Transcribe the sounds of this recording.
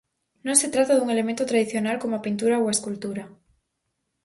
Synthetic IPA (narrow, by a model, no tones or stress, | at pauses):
nõŋset̪ɾat̪aðuŋelemẽnt̪ot̪ɾaðiθjonalkomoapint̪uɾaowaeskult̪uɾa